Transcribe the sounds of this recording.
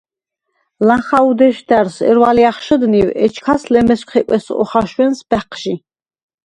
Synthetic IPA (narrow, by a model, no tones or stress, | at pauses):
lãχaud̪ɛʃd̪æɾsɛ̰ɾwaliaχʃəd̪niwɛt͡ʃʰkʰaslɛmɛskʷʰχɛkʼɛsɔ̰χaʃwɛnsb̥ɛqʰʃi